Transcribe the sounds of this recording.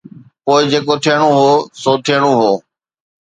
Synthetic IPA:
poːɪd͡ʑeːkot̪ʰijəɽ̃oɦoːsoːt̪ʰiəɽ̃oːɦoː

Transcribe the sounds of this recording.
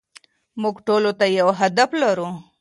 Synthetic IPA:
muɡʈolot̪ajawɦad̪aflaɾu

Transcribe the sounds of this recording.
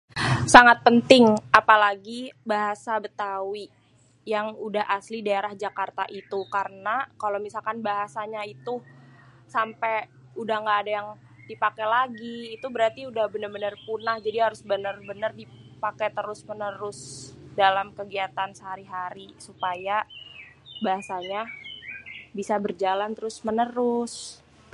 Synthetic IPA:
saŋat̪̚pənt̪ɪŋapalaɡibaɦasabət̪awi | jaŋudaɦaslidaeɾahd͡ʒakart̪aʔit̪ukaɾənakalomisalkanbaɦasaɲait̪u | sampɛ | udahŋɡaːdajaŋ | dipakɛlaɡiːt̪ubəɾart̪iudahbənərbənərpunahd͡ʒadiɦaɾʊsbənərbənərdipakɛt̪əɾʊsmənəɾʊsdalamkəɡiat̪ansəɦaɾiɦaɾisupaja | baɦasaɲa | bisabərd͡ʒalant̪əɾʊsmənəɾʊs

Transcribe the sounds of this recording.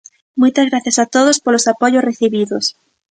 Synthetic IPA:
mujt̪azɣɾaθjasat̪oð̞ospolosapoʝosreθiβiðos

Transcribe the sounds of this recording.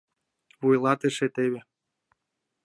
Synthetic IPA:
βujlˠɑt̪ɨʃet̪eβʲe

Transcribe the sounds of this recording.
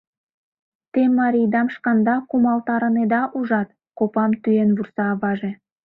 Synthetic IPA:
t̪emːɑɾʲijd̪ɑmʃkɑnd̪ɑkumɑlt̪ɑɾə̆ned̪ɑʔuʒɑt̪̚ | kopɑmt̪yenβursɑβɑʒe

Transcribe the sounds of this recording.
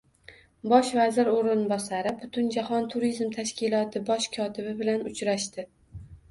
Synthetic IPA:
bɒʃvazɪɾoɾɪnbɒsaɾɪbʊt̪ʰʊnd͡ʒahɒnt̪ʰʊɾizmt̪ʰaʃkʲɪlˠɒt̪ʰɪbɒʃkʰɒt̪ʰɪbɪbɪlanʊt͡ʃɾaʃt̪ɪ

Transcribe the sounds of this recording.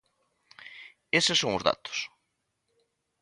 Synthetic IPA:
esɪsoŋʊzða̰t̪ʊ̥s

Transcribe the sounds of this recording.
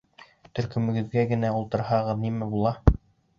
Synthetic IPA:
t̪ɵ̆ɾkɵ̆mɘ̆ɡɘ̆ðɡæɡɘ̆næulˠt̪ɤ̆ɾhɑʁɤðnimæbulˠɑ

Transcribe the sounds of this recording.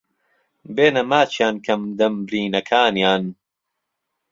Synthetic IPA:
beːnɐmaːt͡ʃʰjaːnkʰɐmd̪ɐmbɾiːnɐkʰaːnjaːn

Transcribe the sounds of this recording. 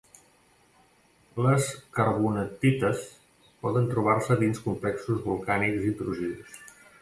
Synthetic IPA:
ləskəɾβunət̪it̪əs | pɔðənt̪ɾuβ̞arsəðinskumplɛksuzβulˠkanikzint̪ɾuʒiðṵs

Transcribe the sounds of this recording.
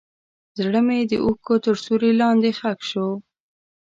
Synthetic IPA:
zɽəmed̪əʔukot̪əɾsuɾelɑnd̪exakʃo

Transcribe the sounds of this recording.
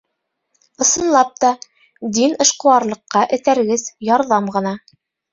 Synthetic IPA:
ɤ̆sɤ̆nlˠɑp̚t̪ɑ | d̪inɤ̆ʃqɤ̆wɑɾlˠɤ̆qːɑʔɘ̆t̪æɾɡɘzjɑɾðɑmʁɤ̆nɑ

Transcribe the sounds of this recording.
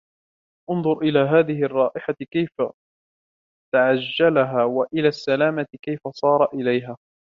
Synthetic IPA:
ʔʊnðˤʊɾʔɪlaːɦaːðɪɦɪʔɑrˤːɑːʔɪħakajfa | t̪aʕad͡ʒːalaɦaːwaʔɪlaːsːalaːmat̪ɪkajfasˤɑːɾˤɑʔɪlajɦaː

